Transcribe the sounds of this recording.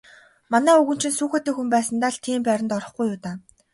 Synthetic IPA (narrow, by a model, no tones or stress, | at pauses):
manæːɵɣɵ̆n̥t͡ɕɪ̆nsuːxeːt̪eːxumpæːsə̆nt̪aɮt̪ʰiːmpæɾʲɪ̆nt̪ɔɾɞ̆χɡujʊːt̪aː